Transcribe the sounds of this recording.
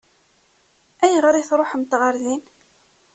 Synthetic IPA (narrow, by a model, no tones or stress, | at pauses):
æjəʁɾɪθɾˤoħmt̪ʁəɾðin